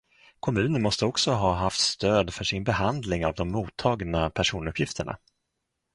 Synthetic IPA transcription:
kʰɔmʉ̟ːnənmɔst̪əɔksɔɦɑːɦaft̪st̪øːd̪fœʂɪnbɛhand̪lɪŋavd̪ɔmːuːt̪ʰːɑːɡnapʰæʂuːnɵpʰjɪft̪ʰəɳa̰

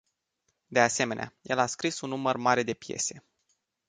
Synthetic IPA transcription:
d̪e̞ase̞me̞neajʔe̞̰laskɾisunːumərmaɾe̞d̪e̞pje̞̰se̞

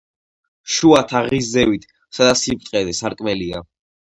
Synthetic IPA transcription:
ʃuat̪ʰaʁiszɛvit̪ʰ | sad̪asip̚t̪ʼqʼɛd̪ɛsaɾkʼmɛlia̰

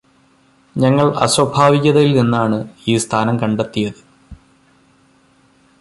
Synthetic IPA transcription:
ɲɐŋːɐɭɐ̰swɐbʱaːʋiɣɐðɐjilninːaːɳɨiːst̪ʰaːnɐmkɐɳɖet̪ːijɐðɨ

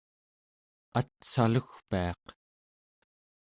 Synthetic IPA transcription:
at̪saluxpiɑq

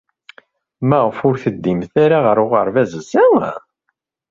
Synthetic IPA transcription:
mæʁəfʊɾθəd̪ːimθaɾaʁəɾʊʁəɾˤvæzəsæ

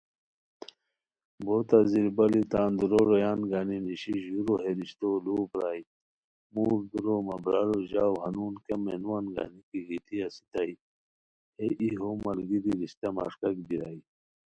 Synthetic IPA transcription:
bot̪aziɾbɐlit̪aːnd̪uɾoɾojaːnɡaːniniɕiʑuɾoɦeɾiɕt̪oluːbɾaːj | muːɾd̪uɾomɐbɾaɾoʑaːwhɐnuːnkemenuwanɡa̰nikiɡit̪iasi̥t̪ai | heʔiɦomɐlɡiɾiɾiɕt̪ama̰ʂkɐkbiɾai

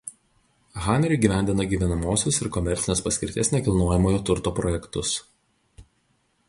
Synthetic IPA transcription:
ɣɑːnʲɛɾʲːɡʲiːʋʲæˑnʲd̪ʲɪnɐɡʲiːʋʲɛnɐmoːsʲʊsɪɾkɔmʲɛɾʲt̪sʲɪnʲeːspɐsʲkʲɪɾʲt̪ʲeːsnʲɛkʲɪlˠnoːjɛmoːjoːt̪ʊɾt̪oːpɾɔjɛkt̪ʊs

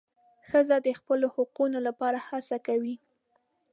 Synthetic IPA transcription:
xəzad̪əxpəlohʊqunolapɑɾahasakawi

